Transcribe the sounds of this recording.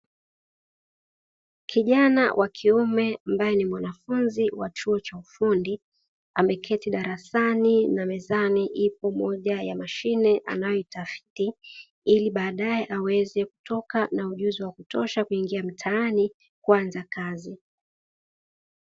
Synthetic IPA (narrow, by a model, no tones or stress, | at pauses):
kʰiʄana̰wʔakʰiumɛambajɛnimwanafunziwat͡ʃuɔt͡ʃaufundi | amɛkʰɛtiɗaɾasaninamɛzaniʔipɔmɔʄajamaʃinɛʔa̰najɔitafi̥ti | iliɓaːɗajɛʔawɛzɛku̥tɔkanauʄuziwakutɔʃakuiŋɡiam̩tʰaani | kuanzakazi